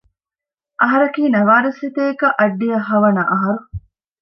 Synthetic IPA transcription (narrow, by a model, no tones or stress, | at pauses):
ʔɐɦɐɾɐkiːnɐʋaːd̪ɐsit̪eːkɐʔɐɖːijɐɦːɐʋɐnɐʔɐɦɐɾu